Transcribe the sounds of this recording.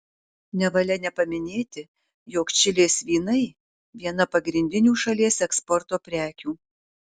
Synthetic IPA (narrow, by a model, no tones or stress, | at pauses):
nʲɛʋɐlʲɛnʲɛpɐmʲɪnʲeːt̪ʲɪ | joːkt͡ʃʲɪlʲeːsʲʋʲiːnɐɪ | ʋʲiɛnɐpɐɡɾʲɪnʲd̪ʲɪnʲuːʃɐlʲiɛsɛkspɔɾt̪oːpʲɾʲæːkʲuː